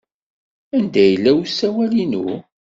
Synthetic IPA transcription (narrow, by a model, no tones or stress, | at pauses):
ænd̪æjəlːæwsːæwælinu